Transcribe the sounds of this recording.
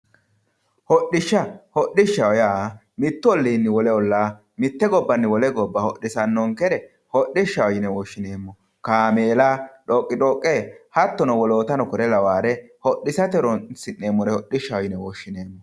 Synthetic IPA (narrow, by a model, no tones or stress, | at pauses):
hɔɗɪʃːɐhɔɗːɪʃːɐwɔjaː | mɪt̪ːʊɔlːiːnːɪwɔlɛɔlːaː | mɪt̪ːɛɡɔbːɐnːɪwɔlɛɡɔbːɐhɔɗːɪsɐnːɔŋkɛɾɛ | hɔɗːɪʃːɐwɔjɪnɛwɔʃːɪne̞ːmːɔ | kaːmeːlaːᶑɔkʼːɪᶑɔkʼːeːhɐt̪ːɔnɔwɔloːt̪ɐnɔkɔɾɛlɐwaːɾɛhɔɗːɪsɐt̪ɛɾɔnsɪnːeːmːɔɾɛhɔɗːɪʃːɐwɔjɪnɛwɔʃːɪneːmːɔ